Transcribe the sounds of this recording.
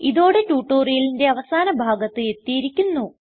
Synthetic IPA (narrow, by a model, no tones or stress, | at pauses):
iðo̞ːɽetuːʈːoːrijɐlinde̞ɐʋɐsaːnɐbʱaːɡɐt̪ːɨe̞t̪ːijiɾikʲːunːu